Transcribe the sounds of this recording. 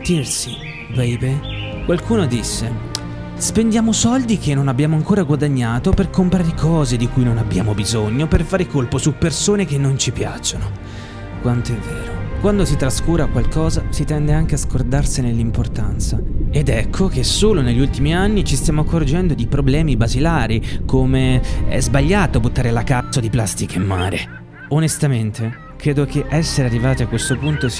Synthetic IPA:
t̪irsi | pɛjpe | kwalkʰuːnod̪isːe | spend̪jaːmosɔld̪ikenːonabːjaːmoaŋkoːɾaɡwad̪aɲːaːt̪operkompɾaːɾekʰɔːzed̪ikujnonabːja̰ːmobizoɲːoperfaːɾekolposupːersoːnekenːont͡ʃipja̰t͡ʃːono | kwant̪oɛvːḛːɾokwand̪osit̪ɾaskuːɾakwalkɔːzasit̪ɛnd̪eaŋk̟easkord̪arsinelːimport̪ant̪saed̪ɛkʰːok̟esoːloneʎːult̪imianːit͡ʃist̪jaːmoakːord͡ʒɛnd̪od̪ipɾoblɛːmibazilaːɾikomeɛ̰zbaʎːaːt̪obut̪ːaːɾelakat̪sod̪iplast̪ikeemːa̰ːɾe | onest̪ament̪ʰe | kɾeːd̪okeʔɛsːeɾearːivaːt̪iakːwest̪opunt̪os

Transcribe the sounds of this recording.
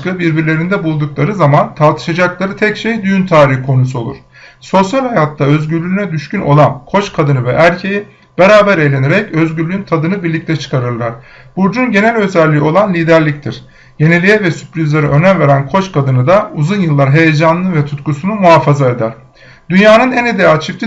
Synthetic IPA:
kɯbiɾbiɾlʲe̞ɾind̪ɛbulˠd̪uklˠaɾɯzamant̪ʰaɾt̪ʰɯ̥ʃad͡ʒaklˠaɾɯt̪ʰɛcʃejd̪yjynt̪ʰaːɾihkʰo̞nusuo̞lˠṵɾ̥ | so̞sjalʲhajat̪lːaø̞zɟyɾlʲyynɛd̪yʃcyno̞̰lˠankʰo̞t͡ʃkʰad̪ɯnɯvɛʔæɾcʰeji | b̥e̞ɾaːbæɾe̞jlʲe̞neɾɛcø̞zɟyɾlʲyynt̪ʰad̪ɯnɯbiɾlʲic̚t̪ʰɛt͡ʃʰɯ̥kʰaɾɯɾlˠaɾ̥ | b̥uɾd͡ʒunɟe̞nælʲø̞zælʲːio̞lˠanlʲiːd̪æɾlʲic̚t̪ʰiɾ̥ | je̞ne̞lʲijɛvɛsypɾizleɾɛʔø̞nænve̞ɾænkʰo̞t͡ʃkʰad̪ɯnɯd̪auzunjɯlˠːaɾɦe̞jed͡ʒanɯnɯvɛt̪ʰut̪kusunumuɦaːfazae̞d̪æɾ̥ | d̪̥ynjaːnɯnɛned̪eat͡ʃʰift̪ʰi

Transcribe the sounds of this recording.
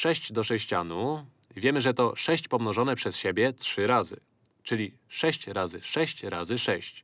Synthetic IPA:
ʂɛɕt͡ɕd̪ɔʂɛɕt͡ɕanu | vʲjɛmɘʐɛt̪ɔʂɛɕt͡ɕpɔmnɔʐɔnɛpʂɛsɕebʲjɛtʂɘɾazɘ̰ | t͡ʂɘlʲi | ʂɛɕt͡ɕɾazɘʂɛɕt͡ɕɾazɘʂɛɕt͡ɕ

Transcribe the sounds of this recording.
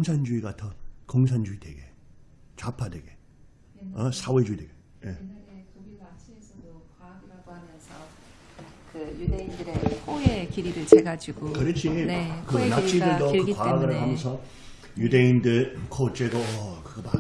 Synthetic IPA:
oŋsʰand͡ʑuiɡatʰʌkoŋs̬ʰand͡ʑuidwe̞ɡe̞ | t͡ɕapʰadweɡe | ʌsʰawed͡ʑuideɡe | je | kaɡɯɾaɡohamjʌnsʰʌ | kɯjudeindɯɾekʰoekiɾiɾɯɭt͡ɕeɡad͡ʑiɡ̥okɯɾʌt͡ɕʰinkɯnat͡ɕʰidɯɭokɯkwaɡɯɾaɡɦamjʌnsʰʌ | judeindɯɭkʰot͡ɕ͈eɡoʌkɯɡʌma

